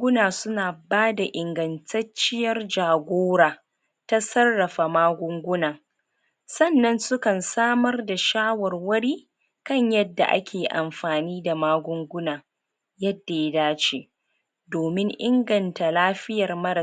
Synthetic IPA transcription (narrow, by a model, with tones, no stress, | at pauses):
ɡʊ˦naː˨sʊ˦naː˨baː˦da˨ʔɪ˨ŋɡɐ˨ntʰɐ˦t͡ʃɪ˦jɐ˦rd͡ʒaː˨ɡʷoː˦ɾaː˨ | ta˦sɐ˦rːɐ˨ɸa˨maː˦ɡʷʊ˦ŋɡʷʊ˦naː˨ | sɐ˦˨nːɐ˦nsʊ˦kɐ˨nsaː˦mɐ˦rda˨ʃaː˦wɐ˨rwɐ˦ɽiː˦ | kɐ˦ɲjɐ˦dːa̰˨ʔa̰˦kʲʰeː˨ʔa̰˨mɸaː˨niː˦da˨maː˦ɡʷʊ˦ŋɡʷʊ˦naː˨ | jɐ˦dːa˨ja˦daː˦t͡ʃeː˨ | doː˨mɪ˦ŋʔɪ˦ŋɡɐ˨nta˨laː˦ɸɪ˦jɐ˨rmɐ˦ɾɐ˨